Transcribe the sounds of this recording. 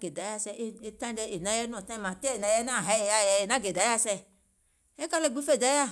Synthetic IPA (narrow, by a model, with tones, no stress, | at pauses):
ɡe˨da˨˦a˧sɛ˧ʔe˦e˧tã˦dɛ˧˦e˨nã˨˦jɛ˦n˦ɔ̃˨tã˦˨mã˨tɛ˦e˨nã˨˦jɛ˦nã˦˨ɦa˨˦ɛ˨ja˦˨jɛ˧e˨nã˦ɡe˨da˨˦ja˦sɛ˧ | ɛ˦ka˦˧lɛ˦˧˨ɡ͡bu˦fe˦˨da˨˦ja˦˨